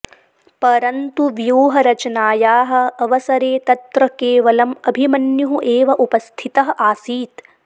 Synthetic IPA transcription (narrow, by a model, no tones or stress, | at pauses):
pɐɾɐnt̪uʋjoːɦɐɾɐt͡ʃɐnaːjaːɦɐ̆ɐʋɐsɐɾeːt̪ɐt̪ɾɐkeːʋɐlɐmɐbʱimɐnjuɦuʔeːʋɐʔupɐst̪ʰit̪ɐɦɐʔaːsiːt̪